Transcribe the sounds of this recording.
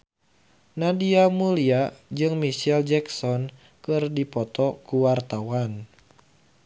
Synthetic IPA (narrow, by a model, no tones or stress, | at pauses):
nadiamuliad͡ʒɨŋmisɛld͡ʒɛksɔn | kɨrdipɔt̪ɔkuwart̪awan